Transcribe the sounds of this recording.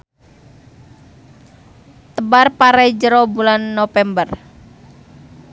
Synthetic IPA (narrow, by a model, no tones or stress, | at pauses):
t̪əbarpaɾajd͡ʒəɾɔbulanːofɛmbər